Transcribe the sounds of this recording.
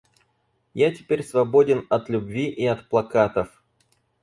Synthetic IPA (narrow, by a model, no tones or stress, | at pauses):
jatʲɪpʲeɾʲsvɐbo̞dʲɪnɐt̪lʲʊbvʲiʔiɐt̪plˠɐkat̪əf